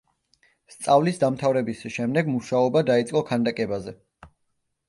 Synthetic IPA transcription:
st̪sʼavlisd̪amt̪ʰavɾɛbisʃɛmd̪ɛɡmuʃaɔbad̪ait̪sʼqʼɔkʰand̪akʼɛbazɛ

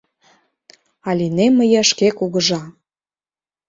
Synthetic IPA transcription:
ɑlʲineməjəʃkekuɣəʒɑ

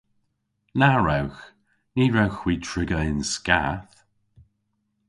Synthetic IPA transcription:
naɹɛwx | niːɹɛwxwiːtʰɹɪɡəɪnskaθ

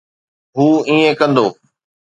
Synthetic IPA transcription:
ɦuːĩːẽkə̃nd̪oː

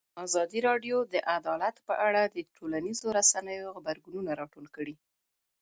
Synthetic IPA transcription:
ɑzɑd̪iɾɑɖjod̪əʔad̪ɑlat̪pəʔaɽad̪əʈʰolanizoɾasanəjoɣbaɾɡununaɾɑʈolkəɽi

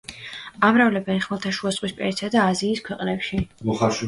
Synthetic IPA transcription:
amɾavlɛbɛnχmɛlˠt̪ʰaʃuasʼwispʼɛ̰nit̪sad̪aːziːskʰwɛqʼnɛpʃimɔχaɾʃ

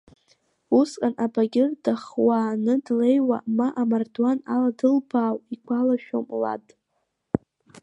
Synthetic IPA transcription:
uskʼanʔabaɡʲɪrd̥aχwaːnɨdle̞jwa̰maʔamardwanaladɨlbaːwikʷʰalaʃᶣo̰mla̰tʼ

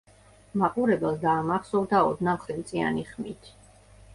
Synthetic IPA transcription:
maqʼuɾɛbɛlˠd̪aːmaχsɔvd̪aɔd̪namχɛmt̪sʼia̰niχmit̪ʰ

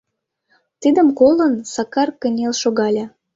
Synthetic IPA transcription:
t̪id̪ə̆mkolənsɑkɑrkə̆nʲelʃoɣɑlʲɑ

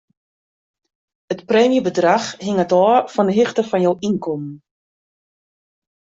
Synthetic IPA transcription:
ətprɛːmjəbədraxhɪŋətɔːfɔndəɦɪxtəfɔnjowinkɔmn

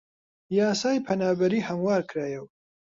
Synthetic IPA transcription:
jaːsaːjpʰɐnaːbɐɾiːhɐmwaːɾkʰɾaːjɛw

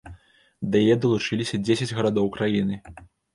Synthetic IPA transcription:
d̪ɐjɐjɛd̪ɐlˠut͡ʂɨlʲisʲɐd͡zʲesʲɐd͡zʲɣɐɾad̪ɔwkɾajinɨ

